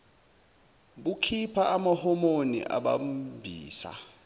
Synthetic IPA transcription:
ɓukʰipʰaːmahɔmonḭʔa̰ɓa̰mbʱiːsa̰

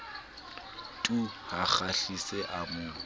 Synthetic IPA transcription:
tʼuhaχaɬiseʔamʊːlɔ

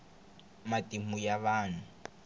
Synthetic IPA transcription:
matʼimujaβaːn̤u

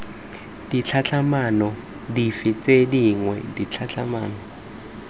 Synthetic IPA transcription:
dit͡ɬʰat͡ɬʰamanɔ | difit͡sʼediŋwɛdit͡ɬʰat͡ɬʰamaːnɔ

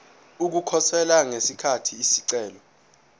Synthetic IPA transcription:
uk̬ukʰɔsɛlaŋesikʰatʰiːsiǀɛːlɔ

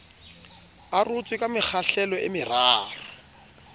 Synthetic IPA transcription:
arʊt͡sʼwɪkʼamɪk͡xʰaɬɛlɔʔɪ̰mɪraːrɔ

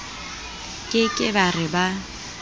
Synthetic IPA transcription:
kʼɪkʼɪbarɪba

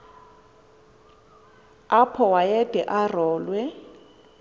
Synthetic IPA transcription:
apʰɔwajɛdʼʱɛʔarɔːlwɛ

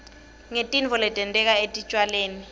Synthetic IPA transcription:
ŋetʼinvɔlɛtʼɛntʼɛk̬ʼaetʼit͡ʃʼwaleːni

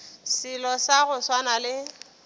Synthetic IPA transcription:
sɪlɔsaɣʊswanalɪ

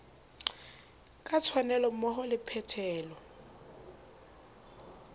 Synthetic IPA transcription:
kʼat͡sʰwanɛlɔm̩mɔχɔlɪpʰɛtʰɛːlɔ

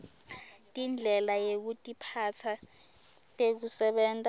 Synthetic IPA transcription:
tʼind͡ɮʱɛlajek̬utʼipʰat͡sʰa | tʼek̬usɛɓɛːntʼa

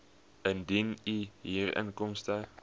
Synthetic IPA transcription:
ʔəndiniɦiːrə̰nkɔmstə

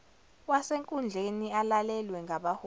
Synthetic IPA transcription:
waseŋkʼund͡ɮʱenialalɛlwɛŋɡʱaɓaho

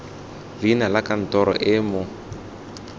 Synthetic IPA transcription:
linalakan̩tɔɾɔ̰ʔɪmʊ

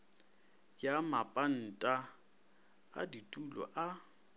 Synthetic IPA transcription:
jamapʼan̩tʼa | a̰ditʼulɔ̰ʔa

